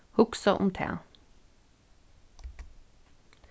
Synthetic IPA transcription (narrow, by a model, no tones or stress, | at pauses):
hʊksəʁʔʊ̰mt̪ʰḛː